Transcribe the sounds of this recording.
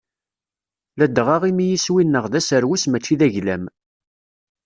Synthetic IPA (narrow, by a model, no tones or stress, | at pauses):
læd̪ʁɑʁimijiswinːəʁðæsəɾwismæt͡ʃːiðæʝlæm